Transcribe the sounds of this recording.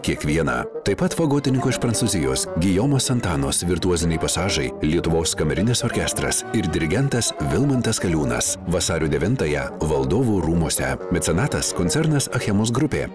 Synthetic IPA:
kʲiɛkʋʲiɛnɑ̰ːt̪ɐɪpɐt̪ʋɐɡoːt̪ʲɪnʲɪŋkoːɪʃpɾɐnt̪suːzʲɪjoːsɡʲɪjoːmoːsɐnt̪ɑːnoːsʋʲɪɾt̪uɔzʲɪnʲɛɪpɐsɑːʒɐɪlʲiɛt̪ʊʋoːskɐmʲɛɾʲɪnʲeːsoːɾʲkʲɛst̪ɾɐ̰sɪɾd̪ʲɪɾʲɪɡʲɛnt̪ɐsʋʲɪlˠmɐnt̪ɐskɐlʲuːnɐ̰sʋɐsɑːɾʲuːd̪ʲɛʋʲɪnt̪ɑjɛʋɐlˠd̪oːʋuːɾuːmuɔsʲɛmʲɛt̪ʲsʲɛnɑːt̪ɐskɔnʲt̪ʲɛɾnɐsɐxʲɛmosɡɾʊpʲḛː

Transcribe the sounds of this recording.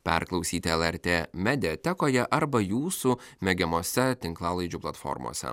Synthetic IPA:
pʲɛ̰ɾklˠɐʊsʲiːt̪ʲɪɛlˠɛɾʲt̪ʲeːmʲɛd̪ʲɪɛt̪ʲɛkoːjɛʔɐɾbɐjuːsumʲɛɡʲɛmoːsʲɛt̪ʲɪŋklˠɑːlˠɐɪd͡ʒʲuːplˠɐt̪fɔ̰ɾmo̰ːsʲɛ̰

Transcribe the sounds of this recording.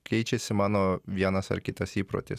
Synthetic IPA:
kʲɛɪt͡ʃʲɛsʲɪmɑːnoːʋʲiɛnɐsɐ̰ɾkʲɪt̪ɐsiːpɾo̰t̪ʲɪ

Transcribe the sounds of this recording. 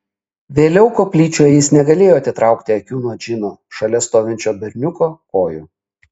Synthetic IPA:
ʋʲeːlʲɛʊkoːpʲlʲiːt͡ʃʲoːjɛjɪsnʲɛɡɐlʲeːjoːɐt̪ʲɪt̪ɾɑˑʊkt̪ʲɪɐkʲuːnuoɔd͡ʒʲɪnuːʃɐlʲɛst̪oːʋʲɪnʲt͡ʃʲoːbʲɛɾʲnʲʊkoːkoːjṵ

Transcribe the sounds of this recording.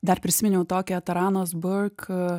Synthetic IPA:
d̪ɐrpʲɾʲɪsʲɪmʲɛnʲɛʊt̪oːkʲɛt̪ɐɾɑːnoːsbʊrk

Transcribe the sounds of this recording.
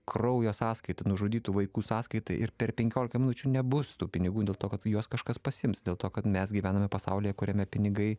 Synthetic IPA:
krɐʊjoːsɑːskɐɪt̪ɐnʊʒoːd̪ʲiːt̪uːʋɐɪkuːsɑːskɐɪt̪ɐɪʔɪɾpʲɛrpʲɛŋʲkʲoːlʲɪkɐmʲɪnʊt͡ʃʲunʲɛbʊst̪uːpʲɪnʲɪɡuːd̪ʲeːlˠt̪oːkɐt̪juɔskɐʃkɐspɐsʲɪɪmsd̪ʲeːlˠt̪oːkɐt̪mʲɛsɡʲiʋʲæːnɐmʲɛpɐsɑ̰ʊlʲɪːjɛkʊɾʲɛmʲɛpʲɪnʲɪɡɐɪ

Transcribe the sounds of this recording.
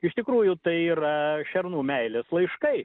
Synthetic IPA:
ɪʃt̪ʲɪkɾuːjʊt̪ɐɪiːɾɐʃʲɛɾnuːmʲɛɪlʲeslˠɐɪʃkɐɪ

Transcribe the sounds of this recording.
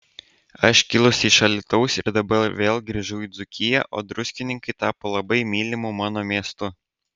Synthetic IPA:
ɐʃkʲɪlˠʊsʲiːʃɐlʲɪt̪ɐʊsɪɾd̪ɐbɐɾʋʲeːlˠɡɾʲiːʒʊiːd̪zʊkʲɪjɛ̰ʔo̰ːd̪ɾʊsʲkʲɪnʲɪŋkɐɪt̪ɑːpoːlˠɐbɐɪmʲiːlʲɪmʊmɑːnoːmʲiɛst̪ʊ

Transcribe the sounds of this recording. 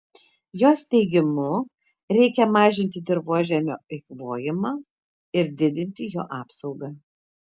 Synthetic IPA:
joːst̪ʲɛɪɡʲɪmʊ | ɾʲɛɪkʲɛmɑːʒʲɪnʲt̪ʲɪd̪ʲɪɾʋuɔʒʲɛmʲo̰ːɐɪkʋoːjɪmɑː | ɪɾd̪ʲɪd̪ʲɪnʲt̪ʲɪjoːʔɑːpsɒʊɡɐː

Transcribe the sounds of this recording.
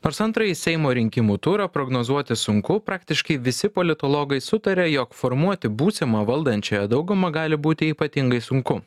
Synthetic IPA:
noːɾsɐnt̪ɾɐjisʲɛɪmoːɾʲɪŋʲkʲɪmuːt̪uːɾɐpɾoɡnoːzuɔt̪ʲɪsʊŋkʊpɾɑːkt̪ʲɪʃkɐɪʋʲɪsʲɪpolʲɪt̪oːlˠoːɡɐɪsʊt̪ɐɾʲɛːjokfoːɾmuɔt̪ʲɪbuːsʲɪmɐʋɐlˠd̪ɐnʲt͡ʃʲoːjɛd̪ɐʊɡʊmɐɡɑːlʲɪbuːt̪ʲɪiːpɐt̪ʲɪŋɡɐɪsʊŋkʊ

